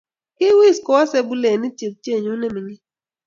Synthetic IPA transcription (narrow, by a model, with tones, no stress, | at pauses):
ki˦wi˦˨skɔ˦ɔ˦se˦bu˦le˨ni˦t͡ʃi˨p̚t͡ʃe˦˨ɲu˦ne˦mi˨ɲi˦